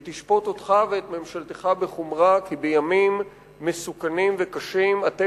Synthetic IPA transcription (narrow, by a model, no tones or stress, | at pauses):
t̪iʃpo̞tot̪χaveet̪me̞mʃalt̪eχabeχumʁakibe̞jamimː | esukanimvekaʃimat̪e